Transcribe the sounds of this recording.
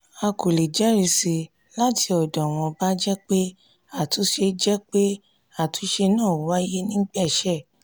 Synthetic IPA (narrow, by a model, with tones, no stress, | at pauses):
a˧ko˨le˨d͡ʒɛ˨˦ɾi˧si˧ | la˦ti˧ɔ˨dɔ̃˨w̃ɔ̃˧ba˦d͡ʒɛ˦k͡pe˦ | a˦˨tu˨˧˦ʃe˧d͡ʒɛ˦k͡pe˦ | a˦˨tu˨˧˦ʃe˧nãː˦˨˦wa˦je˦nĩ˦ɡ͡bɛ˦˨ʃɛ˦˨